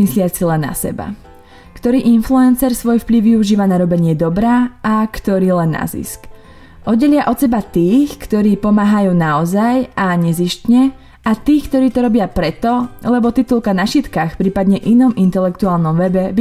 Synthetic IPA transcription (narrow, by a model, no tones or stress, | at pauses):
islɪat͡silɛnːa̰sɛ̰ba̰ | kt̪ɔɾiːʔinfluɛnsɛɾsʋɔjfpliʊʋiuʒiːʋanaɾɔbɛɲɪɛd̪ɔbɾaːakt̪ɔɾiːlɛnːa̰zḭsk | ʔɔd̪ɟɛʎɪaʔɔt̪sɛbat̪iːxkt̪ɔɾiːpɔmaːɦajuːnaɔzajaɲɛziʃcɲɛ | at̪iːxkt̪ɔɾiːt̪ɔɾɔbɪapɾɛt̪ɔlɛbɔt̪it̪ulkanaʃit̪kaxpɾiːpad̪ɲɛʔinɔmint̪ɛlɛkt̪uaːlˠnɔmʋɛbɛbi